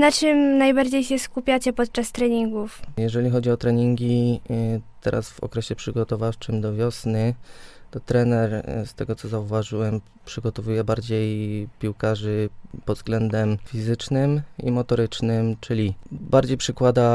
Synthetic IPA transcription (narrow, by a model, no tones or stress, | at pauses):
nat͡ʂɘmnajbaɾd͡ʑejɕɛskupʲjat͡ɕɛpɔt̪̚t͡ʂast̪ɾɛɲiŋɡufjɛʐɛlʲixɔd͡ʑiɔt̪ɾɛɲiŋɡʲi | t̪ɛɾʔa̰sv̥ɔ̰kɾɛɕɛpʂɘɡɔt̪ɔvaft͡ʂɘmd̪ɔvʲjɔsnɘt̪ɔt̪ɾɛnɛɾst̪ɛɡɔt̪sɔzauvaʐɘwɛm | pʂɘɡɔt̪ɔvujɛbaɾd͡ʑejpʲiwkaʐɘpɔd̪zɡlɛnd̪ɛmfʲizɘt͡ʂnɘmḭmɔt̪ɔɾɘt͡ʂnɘmt͡ʂɘlʲibaɾd͡ʑejpʂɘkwad̪a